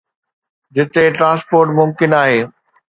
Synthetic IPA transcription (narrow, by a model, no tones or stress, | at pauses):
d͡ʑɪt̪eʈɾãːspoːɾʈmʊmkɪnaːɦeː